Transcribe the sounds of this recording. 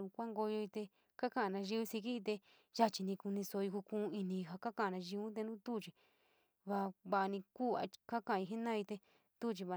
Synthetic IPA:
ũ˧kʷa˦ŋɡo˧jo˧i˧t̪e˧ | ka˦kã˦ʔnã˧ʒi˧u˦si˧k̬i˦˧t̪̬e˧ | ʒa˦t͡ʃi˧nĩ˧ku˧nĩ˧so˧i˧ku˧kũ˧i˧nĩ˧ɦa˧ka˦kã˦˨a˨˧nã˧ʒi˧˦ũ˦t̪̬e˧nũ˦t̪u˦˨t͡ʃi˧ | βa˧βa˧ʔnĩ˧ku˦˨a̰˧ka˦kã˧˨a˧ĩ˧ɦe˦nã˦˧i˧t̪e˧ | t̪u˦˨t͡ʃi˧βa˧˨

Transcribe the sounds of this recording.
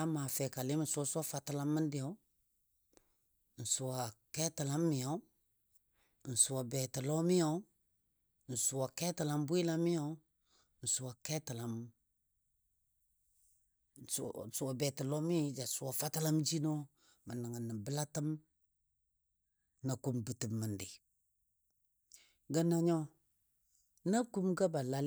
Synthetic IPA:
a˦ma˨fɛ˨ka˨li˦mə˨nsu˦o˦su˦a˦fa˨ta˦la˦mːə˦ndi˨jo˨˦ | n̩˨su˨a˨kɛ˦tə˨la˦mːi˨ja˨˦˨ | n̩˨su˨wa˨bɛ˨tə˨lo˦mi˦o˦ | n̩˨su˨wa˨kɛ˦tə˨la˨mbu˦i˦la˦mi˦jo˦ | n̩˨su˨wa˨kɛ˦tə˨la˨m˨ | su˨a˨be˨tə˨lo˦mi˦d͡ʒa˨su˨wa˨fa˦ta˦la˦md͡ʒi˦no˦ | mə˨nə˨ŋə˨nːə˨bə˦la˦tə˦m | na˨ku˦mbə˨tə˨mːə˨ndi˨ | ɡa˨na˨ɲo˦ | na˦ku˦mɡa˦ba˨la˦l

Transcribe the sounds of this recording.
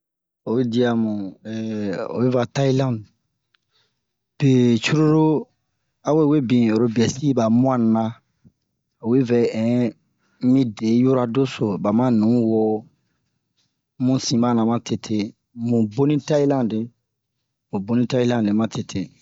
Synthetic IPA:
o˨˦di˨a˨mũ˨ɛ˨o̰˨be˦va˨ta˦i˦lã˦nd | b̥e˨t͡ʃu˦ɾu˦ɾo˦ | ã˦we˦˨we˦bĩ˨o˨ɾo˦bi˨ɛ˨si˦ba˨mũ˦ã˦na˦ | o˨we˦vɛ˨ɛ̃˨ | mĩ˦de˨˦ju˦ɾa˦do˦so˨ba˨mã˦nũ˨˦wɔ˦ | mũ˦sĩ˨ba˦nã˨mã˦tʰe˨tʰe˦ | mũ˨bo˦nĩ˦ta˦i˦lã˦nde˨ | mũ˨bo˦nĩ˦ta˦i˦lã˦dẽ˨mã˦tʰe˨tʰe˨

